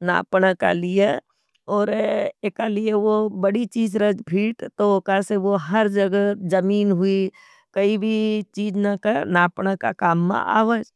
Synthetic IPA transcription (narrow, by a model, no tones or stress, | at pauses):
na̰ːpɳəka̰lije | ɔːɾekalijeʋobəɽit͡ʃiːd͡ʒɾɐd͡ʒbʱiːʈt̪ookaseʋoɦɐɾd͡ʒɐɡəd͡ʒɐmiːnɦʊi | kɐibʱit͡ʃiːd͡ʒnakəɾnaːpɳəka̰kaːmːã̰ʔa̰ːʋəd͡ʒ